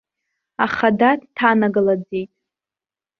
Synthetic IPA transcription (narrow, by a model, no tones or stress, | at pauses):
aχadatʰtʰanaɡalad͡zejtʼ